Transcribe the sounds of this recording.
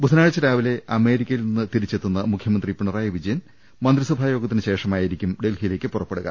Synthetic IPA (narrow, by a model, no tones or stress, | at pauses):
bʱut̪ʰɐnaːɻɐt͡ɕːɐɾaːʋile̞ʔɐme̞ːɾikʲːɐjilninːɨt̪iɾit͡ɕːe̞t̪ːunːɐmukʰjɐmɐnd̪ripːiɳɐraːjɐʋid͡ʑɐjɐn | mɐnd̪riswɐbʱaːjo̞ːɡɐt̪ːinɨɕe̞ːʂɐmaːjiɾikʲːumɖe̞lhijile̞ːkːɨpurɐpːe̞ɽuɣɐ̰